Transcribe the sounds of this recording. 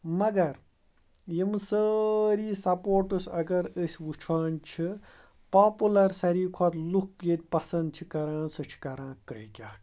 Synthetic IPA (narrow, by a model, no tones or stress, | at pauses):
mɐɡɐɾ | jimsəɾiːsɐpoːɾʈusʲɐɡɐɾəsʲwut͡ʃʰaːnt͡ʃʰi | paːpulɐɾsɐɾiːkʰɔt̪lukjet̪̚ʲpɐsɐnd̪̚t͡ʃʰikɐɾãːsɨt͡ʃʰi̥kɐɾãːkɾikʲaː